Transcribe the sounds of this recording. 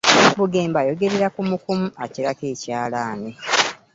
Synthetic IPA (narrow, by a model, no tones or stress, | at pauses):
ebuɡeːmbajo̞ɡe̞ɾe̞ɾakumukumuaciɾake̞ːcaːlaːne